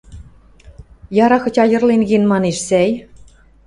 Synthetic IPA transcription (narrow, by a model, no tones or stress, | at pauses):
jɑɾɑxɤ̆tʲɑjɤ̆rlenɣenmɑneʃsæj